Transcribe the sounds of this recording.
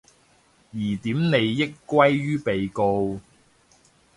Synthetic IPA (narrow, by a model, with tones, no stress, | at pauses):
jiː˨˩t̪iː˨˥mne˨˧jːɪ˥kʷːwɐ˥jɥyː˥pe˨jko˧w